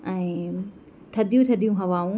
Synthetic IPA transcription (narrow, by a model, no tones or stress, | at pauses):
ɛ̃ː | t̪ʰɐd̪ʱijũt̪ʰɐd̪ijũɦɐʋaːũ